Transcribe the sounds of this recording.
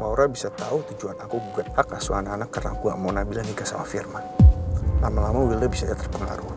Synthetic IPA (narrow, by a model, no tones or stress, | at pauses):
mauɾabisat̪aut̪ud͡ʒuanakuɡuɡat̪̚hakasṵanaːnakːarakua̰ʔmonabilanikasa̰ma̰firma | lamalamawiləbisad͡ʒat̪ərpəŋa̰ɾu